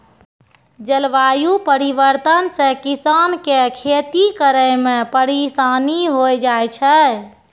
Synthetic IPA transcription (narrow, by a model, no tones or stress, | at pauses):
d͡ʒəlʋajupəɾibəɾt̪ənsẽkisankekʰet̪ikəɾəjmepəɾisaniɦojd͡ʒajt͡ʃʰɛ